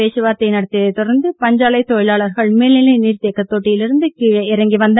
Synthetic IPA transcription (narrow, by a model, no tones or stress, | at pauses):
eːsɯʋaːɾt̪ːɐjnɐɽɐt̪ːɪjɐðɐɪt̪ːɔɾɐɾnd̪ɯpɐɲd͡ʒaːɭɐɪt̪ːojɪlaːɭɐɾɣɐɭmeːlnɪlɐɪniːɾt̪eːkːɐt̪ːoːʈːɪjɪlɪɾɯnd̪ɯkiɻɐɪɾɐŋɡiʋɐnd̪